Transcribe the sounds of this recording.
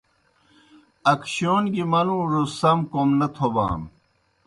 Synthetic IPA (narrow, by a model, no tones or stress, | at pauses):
ɐkɕoːnɡimɐnũːɾosɐmkomnɐt̪ʰoba̰ːm